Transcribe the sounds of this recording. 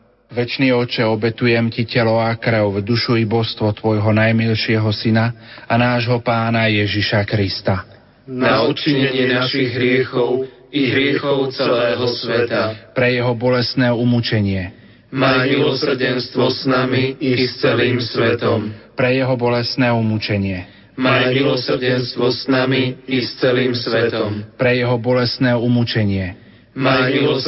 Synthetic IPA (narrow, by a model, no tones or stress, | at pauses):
ʋɛt͡ʃniːɔt͡ʃɛɔbɛt̪ujɛmcicɛlɔʊakɾɛwvd̪uʃuibɔst̪ʋɔt̪ʋɔjɦɔnajmilʃɪɛɦɔsinaanaːʒɦɔpaːnajɛʒiʃakɾist̪a | naut͡ʃiɲɛɲɪɛnaʃiɣɦɾɪɛxɔʊ | iɦɾɪɛxɔʊt͡sɛɛlɛːɦɔsʋɛt̪apɾɛjɛɦɔbɔlɛst̪nɛːumut͡ʃɛɲɪɛ | mamilɔs̩ɟɛnst̪ʋɔsnamiist͡sɛliːmsʋɛt̪ɔmpɾɛjɛɦɔbɔlɛst̪nɛːumut͡ʃɛɲɪɛ | mamilɔsɾɟɛnst̪ʋɔsnamiist͡sɛliːmsʋɛt̪ɔmpɾɛjɛɦɔbɔlɛst̪nɛːumut͡ʃɛɲɪɛ | mai